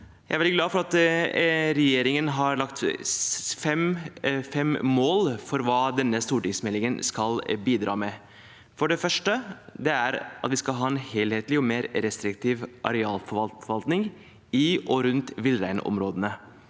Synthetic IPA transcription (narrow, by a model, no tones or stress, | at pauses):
jæ̰ɪæɾʋɛlɪɡlɑːfɔɾɑt̪ | ɾɛjeːɾɪŋənɦɑɾɭɑkt̪ | fɛmfɛmmoːlfɔɾʋɑːd̪ɛnːəst̪uːʈɪŋsmɛlɪŋənskɑlbiːd̪ɾɑ̰ːmɛ | fɔɖɛfœʂʈəd̪ɛæɾʔɑ̰t̪ʋɪskɑlɦɑːɛnheːlheːt̪lɪɔmeːɾɾɛst̪ɾɪkt̪ʰiːʋʔɑ̰ɾɛɑːlfɔfɔʋɑlt̪nɪŋ | ɪʔɔɾʉnt̪ʋɪlɾæɪnɔ̰mɾoːd̪ənə